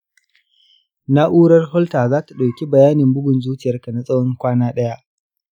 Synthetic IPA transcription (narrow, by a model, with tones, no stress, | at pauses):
na˦ʔuː˦ɽɐ˦rhɔ˦ltaː˨zaː˦ta˨ɗa˨wkʲi˦bɐ˨jaː˦nɪ˨mbʊ˦ɡʷʊ˨nzuː˦t͡ʃɪ˨jɐ˦rka˨na˨sʼɐ˦wɔ˦ŋkʷaː˦naː˦ɗɐ˦ja˦ʔ